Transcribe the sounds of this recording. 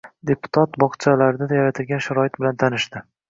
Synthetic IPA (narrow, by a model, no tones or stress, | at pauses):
d̪e̞pʊ̥t̪ʰat̪bɒqt͡ʃʰalaɾɪd̪ad̪ajaɾat̪ʰɪlɡʲanʃaɾɒɪt̪̚bɪlant̪ʰanɪʃd̪ɪ